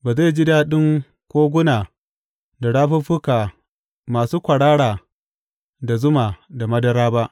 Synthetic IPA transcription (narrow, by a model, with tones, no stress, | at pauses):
baː˨za˦˨d͡ʒɪ˦da˦ɗɪ˦ŋ | kʷoː˦ɡʷʊ˦naː˨ | da˨ɽaː˦ɸʊ˦ɸʊ˦kaː˨ | maː˨suː˦kʷɐ˨ɽaː˦ɽaː˨ | da˨zʊ˦maː˨da˨mɐ˦dɐ˦ɾaː˦ba˦ʔ